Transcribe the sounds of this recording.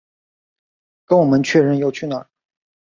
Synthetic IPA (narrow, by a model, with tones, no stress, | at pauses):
kə˧˥nwɔ˨˩mə˦nt͡ɕʰɥɛ˥˧ɻə˥˩njo˧˩ʊt͡ɕʰy˥˩nə̰˨˩